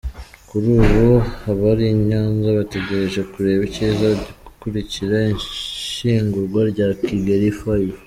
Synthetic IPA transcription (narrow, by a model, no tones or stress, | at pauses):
kuɾuːβohaβaɾiɲaːnzaβate̞ɟe̞ɾe̞ʒekuɾe̞ːβicizaɟiɡukuɾiciɾaiɲʃiːŋɡuɾɡwaɾɟaːkiɡeɾifaji